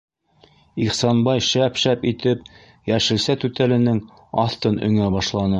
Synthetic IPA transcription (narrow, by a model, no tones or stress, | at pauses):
iχsɑnbɑjʃæpʃæpit̪ɘp | jæʃɘ̆lsæt̪ʉt̪ælɘ̆nɘŋ | ɑθt̪ɤnɵ̆ŋæbɑʃlˠɑnɤ